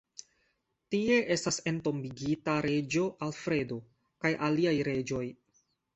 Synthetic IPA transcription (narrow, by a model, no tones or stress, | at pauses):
tie̞ʔe̞stase̞nto̞mbiɡitaɾe̞d͡ʒo̞ʔalfɾe̞do̞ | kajʔaliajɾe̞d͡ʒo̞j